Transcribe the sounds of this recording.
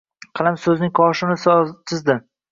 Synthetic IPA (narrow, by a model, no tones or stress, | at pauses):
qʰɑlˠamsɵznɪŋkʰɒʃɪnɪssɪzd̪ɪ